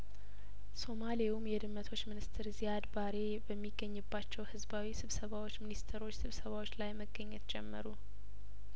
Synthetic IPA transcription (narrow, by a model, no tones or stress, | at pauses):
so̞maliumjɛd̪ɨmːət̪ʰo̞t͡ʃːmɨnɨst̪ʰɨɾzijad̪baɾe̞ | bəmːiɡːəɲːɨbːat͡ʃːɛwhɨzbawisɨβsəβawo̞t͡ʃːminist̪ʰəɾo̞t͡ʃːsɨβsəβawot͡ʃːlajməɡːəɲːɛt̪d͡ʒɛmːəɾu